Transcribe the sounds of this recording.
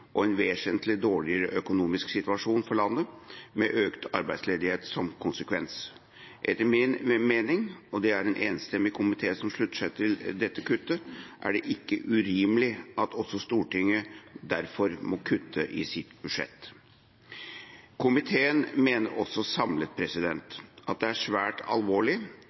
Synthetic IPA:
ʔɔɛnʋeːʂɛnt̪lɪd̪oːɭɪəɾəʔœkʊnuːmɪsksɪt̪ʋɑʂuːnfɔɭɑnːəmɛʔøːkt̪ʰɑɾbæɪd̪sleːd̪ɪheːt̪sɔmkʰʊnsəkʰʋɛns | ʔɛ̰t̪ːəɾmɪnmeːnɪŋɔd̪ɛæɾɛnʔeːnst̪ɛmːɪkʰʊmɪt̪ʰeːsɔmʂɭʉt̪ːə̥ʂæɪt̪ʰɪld̪ɛt̪ːəkʉt̪ːəʔæ̰ɖɛʔɪkːəʔʉɾiːməlɪɑt̪ʰɔsːɔst̪uːʈɪŋːəd̪æɾfɔɾmɔkʰʉt̪ʰːəʔɪsɪt̪bʉʂɛ̰t̪ː | kʰʊmɪt̪ʰeːənmeːnəɾʔɔsːɔsɑmlət̪̚pʰɾɛsɪd̪ɛnt̪ʔɑt̪̚d̪ɛæʂʋæːʈɑ̰lʋoːɭɪ

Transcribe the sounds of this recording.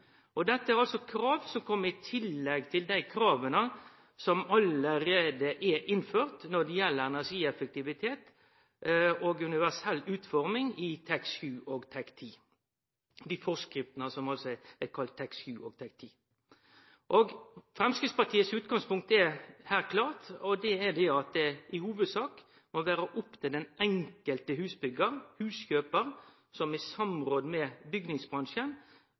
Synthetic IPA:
ʔɔd̪ɛt̪ːəæɾɑlsɔkʰɾɑːʋsɔmkʰɔmːəɾɪt̪ʰɪlːɛɡt̪ʰɪld̪æɪkʰɾɑːʋənə | sɔmɑləɾeːd̪əʔɛʔɪnføːɾt̪nɔd̪ɛjɛlːəɾɛnæsiːɛfək̚t̪ɪʋɪt̪ʰeːt̪ | oːɡʉnɪʋæsɛlːʉːt̪fɔɾmɪŋɪt̪ʰɛksʉːʔoːɡt̪ʰɛkt̪ʰiː | d̪ifɔskɾɪft̪ənəsɔmɑlsɔɛækʰɑlt̪ʰːɛksçʉːʔo̰ːɡ̚t̪ʰɛk̚t̪ʰiː | ʔoːɡfɾɛmskɾɪspɑt̪ʰiːəsʉːt̪ɡɑŋspʊŋk̚t̪ɛhæːɾkʰlɑːʁt̪ɔd̪ɛɛd̪ɛɑt̪̚d̪ɛɪhuːʋəd̪sɑːk | mɔʋæːɾəʔɔpt̪ʰɛd̪ɛnʔɛŋkəlt̪əhʉːsbʏɡəʁhʉːsçøːpəʁ | sɔmɛsɑmʁoːd̪mɛbʏɡnɪŋsbʁɑŋʃən

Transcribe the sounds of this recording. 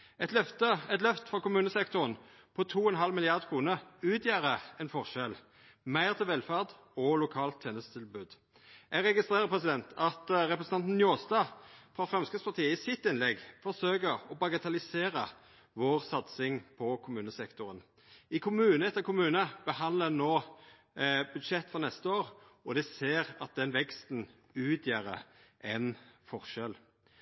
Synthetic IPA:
ɛt̪t̪əɛt̪lœft̪fʁɑkʊmʉːnəsɛkt̪ʊʁən | pʰɔt̪ʰuːɛnɦɑlmɪlɪɑʁd̪kʰʁuːnəʁʉːt̪ʰjæːʁəɛnfɔʁʃɛl | mæɪʁt̪ʰɪlʋɛlfæʁd̪ | ɔlʊkʰɑːlt̪ʰːeːnəst̪ʰɪlbʉːd̪ | æɡʁɛɡɪst̪ʁeːʁəʁpʰʁɛsɪd̪ɛnt̪ʰɑt̪ʁɛpʁəsn̩ɑnt̪n̩njoːst̪ɑfʁɑfʁɛmskəspʰɑʁt̪ʰiːəisɪt̪ːɪnlɛɡfɔsøːkəɾɔbɑɡət̪ʰɑlɪseːɾə | ʋoːʁsɑt̪sɪŋpʰɔkʰʊmʉːnəsɛkt̪ʊɾən | ɪkʰʊmʉːnəɛt̪ːəɾkʰʊmʉːnəb̥əhɑnd̪lənoː | bʉd̪ʃɛt̪ːfɔʁnɛst̪əoːʁɔd̪ɛseːʁɑt̪̚d̪ɛnʋɛkst̪n̩ | ʉːt̪ʰjæːɾə̰ | ʔɛnfɔʁʃɛl

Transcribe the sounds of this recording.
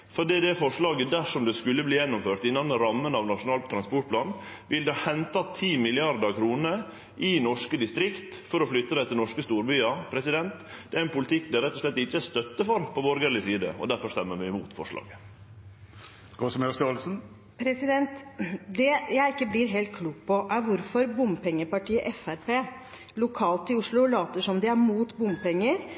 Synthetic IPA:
fɔɖiːd̪ɛfɔʂɭɑːɡəd̪æʂɔmd̪ɛskʉlːəbliːjɛnːʊmføːʈɪnːɑnəɾɑmːənɑʋnɑʂʊnɑːlt̪ʰːɾɑnspɔʈ̚pʰlɑːnʋɪld̪ɑhɛnt̪ɑt̪ʰiːmɪlɪɑɾd̪əɾkʰɾuːnə | ʔɪnɔʂkəd̪ɪst̪ɾɪkt̪fɔɾɔflʏt̪ːəd̪æɛt̪ɪlnɔʂkəst̪uːɾbyːɑpʰɾɛsɪd̪ɛnt̪d̪̥ɛæɾɛnpʊlɪt̪ɪkːd̪æɾɛt̪ːɔʂɭɛt̪ːɪt͡ʃːəæst̪œt̪ːəfɔɾpʰɔbɔɾɡəɾlɪsiːd̪ə̰ɔ̰d̪æɾfɔʂt̪ɛmːəʋɪɪmuːt̪fɔ̰ʂɭɑ̰ːɡə | kɔsmɛst̪ɑlsn̩ | pʰɾɛsɪd̪ɛnt̪d̪ɛjæɪɪkːəblɪɾɦeːlt̪̚kʰluːk̚pʰɔʔæɾʋʊɾfɔɾbʊmpʰɛŋːəpɑʈiːəʔɛfæɾpeː | lʊkʰɑːlt̪ɪʊʂɭʊlɑːt̪əʂɔmd̪ɪæɾmuːt̪bʊmpɛŋːəɾ

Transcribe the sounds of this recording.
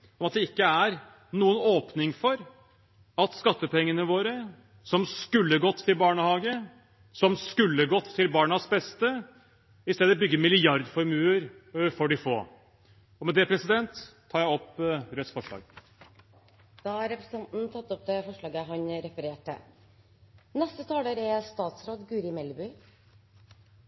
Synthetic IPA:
ɔmɑt̪̚d̪ɛɪkːəæɾ | nuːənoːpnɪŋfɔɾ | ɑt̪skɑt̪ːəpʰɛŋːənəʋoːɾə | sɔmskʉlːəɡɔt̪ʰːɪlbɑːɳəhɑːɡə | sɔmskʉlːəɡɔt̪ʰːɪlbɑːɳɑsbɛst̪ə | ɪst̪eːd̪əbʏɡːəmɪlɪɑɾd̪fɔɾmʉːəɾfɔɖɪfo̰ː | ɔmɛd̪ɛpʰɾɛsɪd̪ɛnt̪ʰː | ɑːjæɪɔpɾœt̪sfɔʂɭɑ̰ːɡ | d̪̥ɑːhɑɾɛpɾəst̪ɑnt̪n̩t̪ʰɑt̪ːɔp̚d̪ɛfɔʂɭɑːɡəɦɑɲɾɛfəɾeːʈə̰ | nɛst̪ət̪ʰɑːləɾɛst̪ɑːt̪sɾoːd̪ɡʉːɾɪmɛlːby

